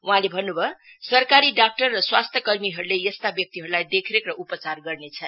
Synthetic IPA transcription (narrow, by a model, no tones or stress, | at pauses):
wuɦãlebʱʌnːubʱʌ | sʌrkaɾiɖak̚ʈʌrːʌswast̪ʰjʌkʌrmiɦʌɾulejʌst̪abjʌk̚t̪iɦʌɾulajd̪ekʰɾekrʌʔupət͡sarɡʌrnet͡sʰʌ